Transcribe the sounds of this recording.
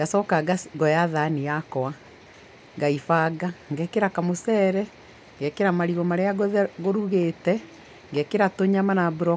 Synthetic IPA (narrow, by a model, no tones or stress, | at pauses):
ŋɡasɔːkaɡasɡɔjaðanijakɔa | ŋɡaifaɡaŋɡɛkeɾakamosɛːɾɛ | ŋɡɛkeɾamaɾiɣɔmaɾeaɡɣoɾuɣetɛ | ŋɡɛkeɾatoɲamanabuɾɔ